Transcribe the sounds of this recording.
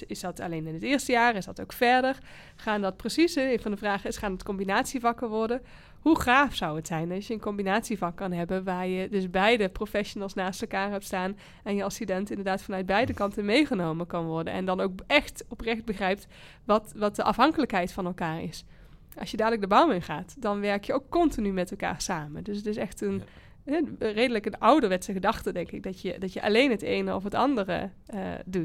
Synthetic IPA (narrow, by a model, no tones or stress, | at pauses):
ɪsdɑtɑ̰lejnɪnətɪːɹstəjaːrɪsdɑtowkfɛɹdər | χaːndɑt̚prəsisəejnvɑndəvraːχɪsχaːnətkɔmbinaːtsivɑkəɹʋɔɹdə | huχaːfsʌwətsɛjnɑsjəənkɔmbinaːtsivɑkːɑnɦɛbənʋaːɹjədɵsbɛjdəprofɛʃonəlˠsnaːstɛlˠkaːɹɦɛp̚tstaːn | ɛnjəɑlˠstydɛntɪndəɹdaːtfɑnœɥt̚bɛjdəkɑntənmejχənowməkɑnʋɔɹdə̰nɛ̰ndɑnowk̚ɛχtɔprɛxd̚bəχrɛjp̚t | ʋɑtʋɑt̚dəʔɑfɦɑŋkələkɦɛjtfɑnɛlˠkaːɹɪ̰s | ɑ̰lsjədaːdələk̚dəbawmɪnχaːtdɑnʋɛɹkjəowkːɔntinymɛtɛlˠka̰ːɹsaːməndɵsətɪsɛxtən | ɦɛrejdələkənɑwdəɹʋɛtsəχədɑxtədɛŋkɪɡ̚dɑtjədɑtjəʔɑ̰lejnɦətejnəɔ̰fətɑ̰ndərə̰ə̰dut